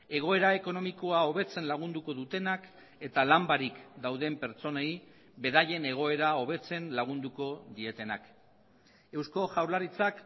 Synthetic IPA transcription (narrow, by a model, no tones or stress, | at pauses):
e̞ɣ̞o̞e̞ɾae̞ko̞no̞miko̞ao̞β̞e̞t͡se̞nlaɣ̞und̪uko̞ðut̪e̞nak | e̞t̪alambaɾikd̪awðe̞mpe̞ɾt͡so̞nej | be̞ðaje̞ne̞ɣ̞o̞e̞ɾao̞β̞e̞t͡se̞nlaɣ̞und̪uko̞ðie̞t̪e̞nak | e̞wsko̞ʝawɾlaɾit͡sak